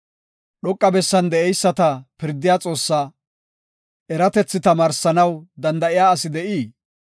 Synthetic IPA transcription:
ɗɔkʼːɐbɛsːɐnd̪ɛɛjsːɐt̪ɐpɪɾd̪ɪjaːt͡sʼo̞ːsːa | ɛɾɐt̪ɛt͡sːɪt̪ɐmaːɾsɐnɐwd̪ɐnd̪ɐʔɪjaːɐsɪd̪ɛʔiː

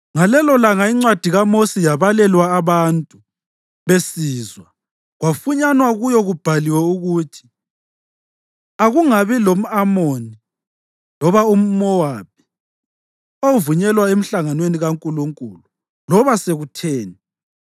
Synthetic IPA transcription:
ŋalɛlɔlaŋaiŋ͡ǀwad̥ʱiɣamosijaβalɛlwaːβantʼu | βesiːzwa | ɣwafuɲanwaɣujɔɣub̥ʱaliwɛuɣutʰi̥ | aɣuŋaβilom̩amoni | lɔβaum̩mɔwap̚ʰi̥ | ovuɲɛlwaem̩ɬaŋanweniɣaŋkʼuluŋkʼulu | lɔβaseɣutʰeːnɛ

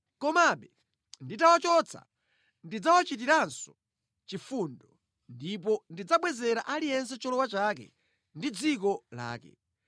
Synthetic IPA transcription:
kɔmaɓɛ | nditawat͡ʃɔt͡sʰa̰ | ndid͡zawat͡ʃit̬iɾansɔ | t͡ʃifundɔ | ndip̬ɔndid͡zaɓwɛzɛɾaʔalijɛns̬ɛt͡ʃɔlɔwat͡ʃaːkɛ̰ | ndid͡zikɔla̰ːkɛ̰

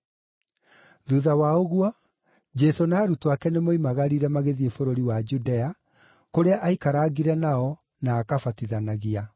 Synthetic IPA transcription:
ðuðawaoɣuɔ | d͡ʒɛsonaːɾutwakɛnemoimaɣaɾiɾɛmaɣeðiefoɾoɾiwad͡ʒudɛa | koɾeaʔaikaɾaːɣiɾɛnaɔ | naːkafatiðanaɣia

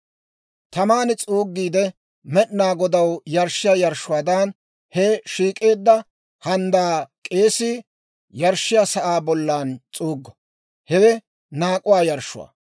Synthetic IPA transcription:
t̪ɐmaːnɛt͡sʼuːɡːiːd̪ɛ | mɛʔnaːɡɔd̪ɐwjɐɾʃɪjaːjɐɾʃʊwaːd̪an | hɛʃiːkʼe̞ːd̪ːɐ | hɐnd̪aːkʼe̞ːsɪ | jɐɾʃːɪjaːsɐʔaːbɔlːaːnt͡sʼuːɡːɐ | hɛwɛ | naːkʼʊwaːjɐɾʃʊ̰wɐ̰

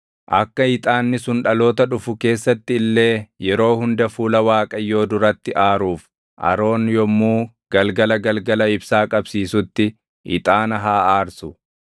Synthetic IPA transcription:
ʔɐkːɐɪt̪ʼaːnːɪsʊnᶑɐlo̞ːt̪ɐᶑʊfʊke̞ːsːɐt̪ːɪɪlːe̞ːjɛɾo̞ːhʊnd̪ɐfuːlɐwaːkʼɐjːo̞ːd̪ʊɾɐt̪ːɪʔaːɾuːf | ʔɐ̰ɾo̞ːnjɔmːuː | ɡ̥ɐlɡɐlɐɡɐlɡɐlɐɪbsaːkʼɐbsiːsʊt̪ːɪ | ʔɪ̰t̪ʼaːnɐɦaːaːɾsʊ

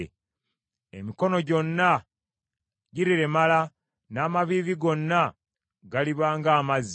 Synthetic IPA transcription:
ḛmiko̞no̞ɟo̞nːa | ɟiɾiɾe̞mala | naːmaβiːviɡo̞nːa | ɡaliβaːŋɡaːmaz

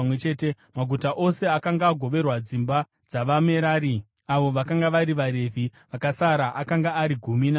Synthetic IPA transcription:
wet͡ʃeːte | maɡʱutaʔo̞se̞akaŋɡaːɡʱo̞ʋe̞rwad͡zimba | d͡zaʋame̞ɾaːɾi | aʋo̞ʋakaŋɡaʋaɾiʋaɾe̞vʱiʋakasaɾaʔakaŋɡaːɾiɡʱumina

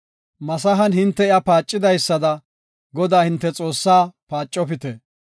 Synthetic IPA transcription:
mɐs̬ɐɦɐnhɪnt̪ːɛɪɐpaːt͡ʃʼːɪd̪ɐjsːɐd̪ɐ | ɡɔd̪aːhɪnt̪ːɛt͡sʼo̞ːsːaːpaːt͡ʃʼːɔpɪt̪ɛ

